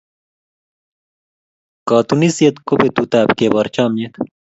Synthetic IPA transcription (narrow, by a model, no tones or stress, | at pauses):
kaːt̪unisijɐt̪kopet̪ut̪aːbkebɐɾt͡ɕaːmjet̪